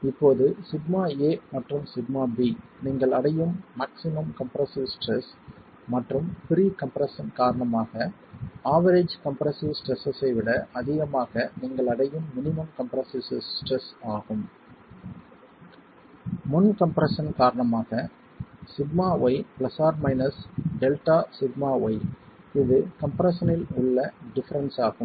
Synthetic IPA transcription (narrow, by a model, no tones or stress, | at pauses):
ɪpːoːðɯsɪɖmaːeːmɐʈrɯmsɪɖmaːbi | niːŋɡɐɭɐɽɐjɯmːaːksɪmɐmkɐmpɾɐsɪʋsʈɾɛs | mɐʈrɯmpɪɾiːkɐmpɾɐsɐnkaːɾɐɳɐmaːɣɐ | aːʋɐɾeːd͡ʒkɐmpɾɐsɪʋsʈɾɛsɐsɐɪʋɪɽɐʔɐðɪɣɐmaːɣɐnɪŋɡɐɭɐɽɐjɯmːɪnɪmɐmkɐmpɾɐsɪsʈrɛsaːɣɯm | mʊnkɐmpɾɐsɐnkaːɾɐɳɐmaːɣɐ | sɪɡmaːɔɪpɭɐsaːɾmɐɪnɐsɖɛlʈaːsɪɡmaːɔɪ | ɪðɯkɐmpɾɐsɐnɪlʊɭːɐɖɪfɐɾɐnsaːɣɯm